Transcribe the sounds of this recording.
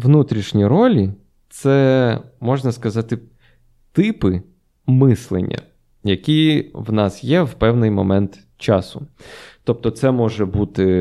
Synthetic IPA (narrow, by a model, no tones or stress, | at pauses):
ʋnut̪ɾʲiʃnʲiɾɔlʲi | t̪sɛmɔʒnɐskɐzɑt̪ɪ | t̪ɪpɪ | mɪslˠḛnʲːɐ̰ | jɐkʲiwnɑsjɛwpɛwnɪjmɔmɛnt̪ | t͡ʃɑsʊt̪ɔp̚t̪ɔt̪sɛmɔʒɛbut̪ɪ